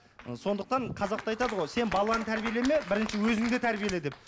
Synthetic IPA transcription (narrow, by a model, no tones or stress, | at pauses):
əso̞nd̪əq̚t̪ɑɴqʰɑzɑqt̪əɑjt̪ɑd̪əʁo̞jse̞nbɑlˠɑnət̪ʰæɾbijelemebɪɾɪnʃɪwɵzɪŋd̪et̪ʰæɾbije̞led̪ep̚